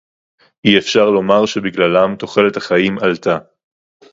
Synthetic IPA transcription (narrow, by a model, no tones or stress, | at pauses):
iefʃaʁlo̞maʁʃe̞biɡlalamt̪o̞χe̞let̪haχaimalt̪a